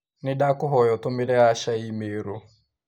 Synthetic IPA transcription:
nɪdakʊɦɔjɔtʊmɪlɛaʃaimeɾo

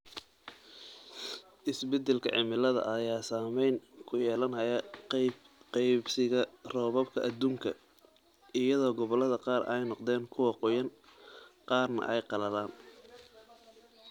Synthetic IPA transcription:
ʔɪsbɛd̪ɛlkʰɐ̰ʕɪmɪlɐðɐ̰ʔɐjaːsaːmɛjnkʰʊjɛːlɐnhɐjɐ | qɛjbsɪɣɐrɔːβɐb̚kʰɐʔːd̪uːŋkʰɐ | ɪjɐðɔːɡɔβɔlɐðɐqɑːrɛ̰jnɔqd̪ɛːŋkʰʊwɑqɔjɐn | qɑːrnɐ̰ʔɛjqɑlɐðaːn

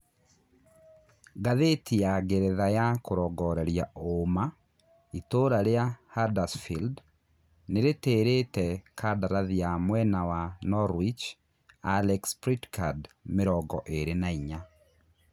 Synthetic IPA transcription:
ɡaðetʰijaɡeɾɛðajakoɾɔɡɔɾɛɾjaoma | itoɾaɾeahadasfild | neɾeteɾetɛkʰadaɾaðiamwɛnawanɔɾwit͡ʃ | alɛkspɾitkadmeɾɔɡɔʔeɾenaiɲa

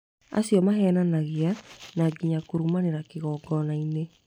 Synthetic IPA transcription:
a̰sjɔmahɛːnanaɣeanaːɡiɲakoɾumaneɾakeɣɔːɡɔnaine

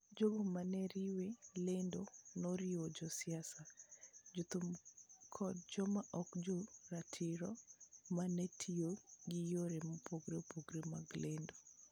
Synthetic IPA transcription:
d͡ʒoɡomanɛɾiwelendonoɾɪod͡ʒɔsɪasad͡ʒot̪umkʰɔd̚d͡ʒɔmaʔɔkd͡ʒoɾatʰɪɾɔmanɛtʰioɡijoɾemopoɡɾepoɡɾema̰ɡlendo

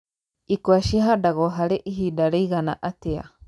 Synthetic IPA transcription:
ikwaʃiɦadaɣɔɦaɾeʔiɦidaɾeiɣana̰ʔatea̰

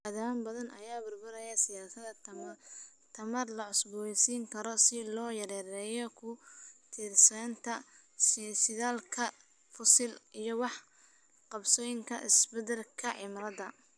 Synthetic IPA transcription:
ɐðaːmbɐðɐnʔɐjaːbʊrbʊɾɐjɐsɪjaːsɐd̪ɐ | t̪ʰɐmɐrlɐʕʊsbʊsiːŋkʰɐɾɔsɪlɔːjɐɾɛːɾɛːjɔkʰʊt̪ʰɪrsɐnt̪ʰɐ | ssɪðaːlkʰɐ | fʊsɪlijɔwɑħ | qɑbsɔːjɪŋkʰɐ̰ʔɪsbɛd̪ɛlkʰɐʕɪmrɐðɐ

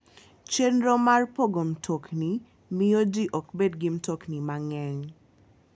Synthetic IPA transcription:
t͡ʃenɾomarpoɡomtʰokni | mɪodiʔɔkbedɡɪmtoknimaŋɛŋ

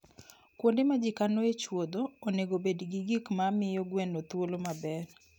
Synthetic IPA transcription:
kwondemad͡ʒɪkanoet͡ʃwod̪oːneɡobedɡiɡikmamɪjɔɡwɛnot̪wolomabɛr

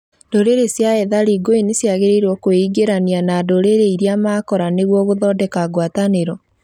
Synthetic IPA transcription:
d̥oɾeɾesjaɛðaɾiːɡoinesjaɣeɾeɾwɔkoiɡeɾanianadoɾeɾeiɾiamaːkɔɾaneɣwɔɣoðɔdɛkaɡwataneɾɔ

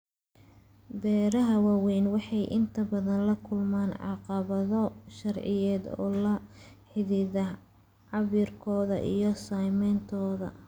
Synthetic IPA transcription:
bɛːɾɐɦɐwɑːwɛjnwɑħɑjʔɪnt̪ʰɐbɐðɐnlɐkʰʊlmaːnʕɑ̰qɑβɐðɔʃɐrʕɪjɛːd̪ɔ̰ːlɐħɪðɪðɐ | ʕɑβirkʰɔːðɐ̰ʔḭjɞsajmɛnt̪ʰɔːðɐ̰

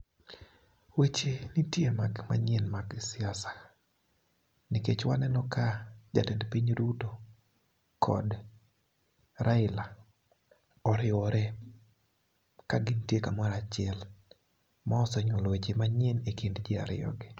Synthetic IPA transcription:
wet͡ʃenitjemaɡma̰ɲɛnmaɡsɪasḁ | niket͡ʃwanɛnɔkad͡ʒa̰tendpiɲduto | kʰɔ̰d | ɾaɪla | ɔɾɪɔɾɛ | kaɡɪntjekamaɾat͡ʃɪɛl | mɔsɔɲɔlwet͡ʃemaɲɛnekindd͡ʒɪa̰ɾɪ̰jɔ̰ɡɪ

